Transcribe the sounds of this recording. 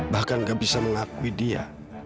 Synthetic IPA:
bahkanɡabisaməŋakuidia̰

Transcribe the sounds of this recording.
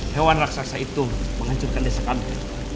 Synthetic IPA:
hewanraksaaksait̪uməŋaɲt͡ʃʊrkandesakami

